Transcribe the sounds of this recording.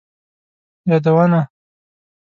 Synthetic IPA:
jɑd̪awana

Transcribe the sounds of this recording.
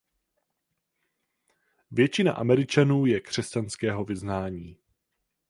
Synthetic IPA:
vjɛt͡ʃɪna̰ʔa̰mɛɾɪt͡ʃanuːjɛkr̝̥ɛscanskɛːɦo̞vɪznaːɲiː

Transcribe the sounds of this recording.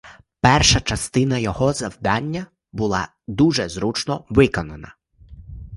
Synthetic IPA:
pɛrʃɐt͡ʃɐst̪ɪnɐjɔɦɔzɐwd̪ɑnʲːɐ | bʊlˠɑ̰ | d̪uʒɛzɾut͡ʃnɔʋɪkɔnɐnɐ

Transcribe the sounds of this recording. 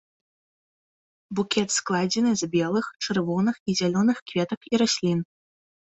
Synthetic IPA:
bukʲɛt̪sklˠad͡zʲɛnɨzbʲɛlˠɨxt͡ʂɨrvɔnɨxizʲalʲɔnɨxkvʲɛt̪ɐkiɾasʲlʲin

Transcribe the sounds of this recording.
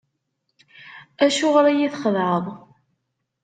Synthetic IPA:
æʃʊʁɾæjiθχəðʕəðˤ

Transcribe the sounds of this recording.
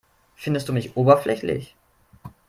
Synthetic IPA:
fɪndəstd̥uːmɪçʔoːbɐflɛçlɪ̰ç

